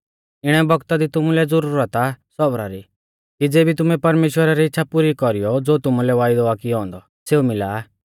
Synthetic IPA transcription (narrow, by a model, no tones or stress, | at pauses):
ɪɽ̃ɛbɔɡt̪ad̪it̪ʊmulɛd͡zʊɾuːɾət̪asɔbɾaɾi | kid͡zeːbʱit̪ʊmɛpɐɾmeːʃwəɾaɾiɪtːʃʰapʊɾikɔɾijɔd͡zoːt̪ʊmulɛʋaːɪd̪ɔakɪɔɦɔ̃ːnd̪ɔ | seːumɪlaː